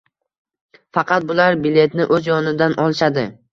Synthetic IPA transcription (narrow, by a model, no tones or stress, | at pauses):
fɑqʰɑt̪̚bʊlaɾbɪle̞t̪nɪʔɵzjɒnɪd̪anʔɒlˠʃad̪ɪ